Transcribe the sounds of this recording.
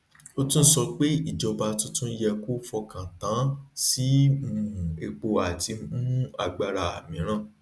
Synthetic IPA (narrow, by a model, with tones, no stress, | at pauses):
o˦tũ˦n̩˦sɔ˧k͡pe˦i˦˨d͡ʒɔ˧ba˧tũ˦tũ˦jɛ˧ku˦fɔ˧kã˨tã˨˦si˦mũ˧˨ũ˨e˧k͡po˧a˨ti˧mũ˦ũ˦a˨ɡ͡ba˧ɾa˧˨a̰˨mĩ˨˦ɾ̃ã˦˨